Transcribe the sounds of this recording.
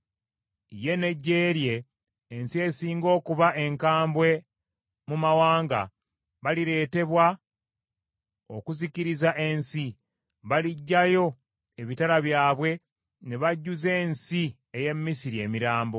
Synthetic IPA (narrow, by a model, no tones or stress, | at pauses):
ije̞ne̞ɟːe̞ːɾje̞ː | nsie̞siːŋɡo̞ːkuβaʔe̞ŋkaːmbwe̞ | mumawaːŋɡa̰ | βaliɾe̞ːte̞βwa | o̰kuziciɾizaʔe̞nsi | βaliɟːajo̞ | eβitaɾaβjaːβwe̞ | ne̞βaɟːuze̞ːnsi | eje̞mːisiɾie̞ːmiɾaːmbo̞